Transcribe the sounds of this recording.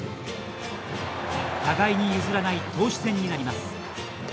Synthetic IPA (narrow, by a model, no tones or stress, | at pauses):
t̪aɡaiɲ̟ijɯzɨɾanait̪o̞ːɕi̥sẽ̞ɲ̟ːinaɾʲimasɨ̥